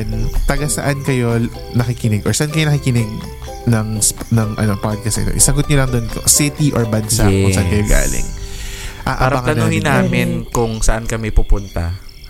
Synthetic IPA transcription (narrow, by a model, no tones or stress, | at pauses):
nt̪ɐɡasɐʔankɐjo̞ | nɐkɪkɪnɪɡʔɔɹsɐʔankɐjonɐkikɪnɪɡ̚ | nɐŋsnɐŋʔɐ̰nopad̪̚kɐsnɪ̰t̪oʔɪsɐɡʊt̪̚ɲolɐŋd̪onkosɪt̪iʔoɹbɐnsakʊŋsɐʔankɐjoɡa̰ːlɪ̰ŋ | ʔaːʔpaɾbɐŋɐnuhɪnːaːmɪnkʊŋsɐʔankɐmɛpupʊnt̪ɐ